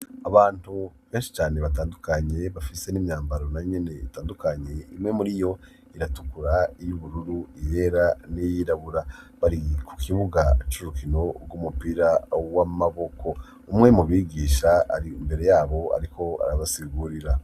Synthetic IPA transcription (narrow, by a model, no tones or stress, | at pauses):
aβaːnuβeːnʃi̥t͡ʃaːne̞βataːndukaɲe̞βafise̞nimɲaːmbaɾo̞najoɲe̞ne̞ḭtaːndukaɲe̞imŋe̞muɾijo̞ | iɾatukuɾaijuβuɾuɾuije̞ɾanijiɾaβuɾaβaɾikʰu̥kʰiβuɡat͡ʃuɾukino̞ɾɡumupiːɾawamaβo̞kʰo̞ | umŋe̞muβiːɡiːʃaa̰ɾiːmbe̞ɾe̞jaːβo̞a̰ɾiko̞a̰ɾaβasiɡuːɾiɾa